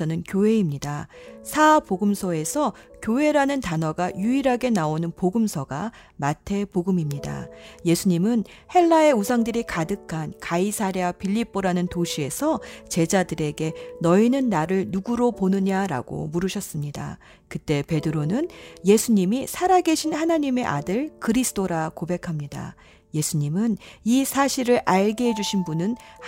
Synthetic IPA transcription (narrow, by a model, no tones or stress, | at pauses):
ʌnɯnkjoɦe̞imɲidasʰapoɡɯmsʰʌe̞sʰʌkjoɦe̞ɾanɯntanʌɡajuiɾɦaɡe̞naonɯnpoɡɯmsʰʌɡa | matʰe̞poɡɯmimɲida̰je̞sʰuɲimɯn | he̞ɭːae̞usʰaŋdɯɾikadɯkʰankaisʰaɾiapiʎːip͈oɾanɯntoɕʰie̞sʰʌt͡ɕe̞d͡ʑadɯɾe̞ɡe̞nʌinɯnːaɾɯɭnuɡuɾoponɯɲaɾa̰ɡo̰muɾɯɕʰʌs͈ɯmɲida̰ | kɯt͈e̞pe̞dɯɾonɯnje̞sʰuɲimisʰaɾaɡe̞ɕʰinhanaɲime̞ʔadɯɭkɯɾisʰt͈ʰoɾakobe̞kʰamɲida̰ | je̞sʰuɲimɯnisʰaɕʰiɾɯɾʔaɭɡiɦe̞d͡ʑuɕʰinbunɯn